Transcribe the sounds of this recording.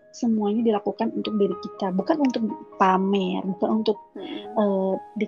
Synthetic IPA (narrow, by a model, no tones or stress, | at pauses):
səmuaɲadilakukanunt̪ʊk̚beɾikit̪abukanunt̪ʊk̚pamɛrbukanunt̪ʊk̚ədi